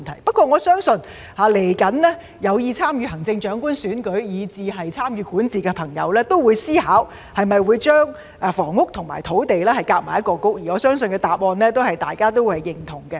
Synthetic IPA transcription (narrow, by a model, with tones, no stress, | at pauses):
nt̪ʰɐ˨˩jpɐ˥t̚kʷɔː˧ŋɔː˨˧sœː˥ŋsɵ˧n | haː˨˧le˨˩jkɐ˨˥nlɛː˥ | jɐ˨˧wjiː˨˧t͡sʰaː˥mjyː˨˧hɐ˨˩ŋt͡sɪ˧ŋt͡ʃœː˨˥ŋkuː˥nsyː˨˥nkɵ˨˥ɥjiː˨˧t͡siː˨ɦɐ˨jt͡sʰaː˥mjyː˨˧kuː˨˥nt͡siː˨kɛː˧pʰɐ˨˩ŋjɐ̰˨˧wlɛː˥t̪o˥wwuː˨˧jsiː˥haː˨˥w | hɐ˨jmɐ˨jwuː˨˧jt͡ʃœː˥ŋ | ʔɛ˨˧fɔ̰ː˨˩ŋːʊ˥k̚t̪ʰʊ˨˩ŋma̰ː˨˩jt̪ʰo˨˥wt̪e˨jlɛː˥hɐ˨˩jkaː˧k̚maː˨˩jɐ˥t̚kɔː˧kʊ˥k̚jiː˨ŋɔː˨˧sœː˥ŋsɵ˨nkɛː˧t̪aː˨p̚ɔː˧nlɛː˥t̪o˥whɐ˨jt̪aː˨jkaː˥t̪o˥whɐ˨jːɪ˨˩ŋt̪ʰʊ˨˩ŋkɛ˧